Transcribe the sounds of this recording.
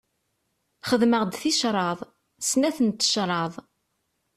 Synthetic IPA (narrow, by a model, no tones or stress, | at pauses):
χəðməʁd̪θiʃɾˤɑðˤ | snæθənt̪ːə̥ʃɾˤɑðˤ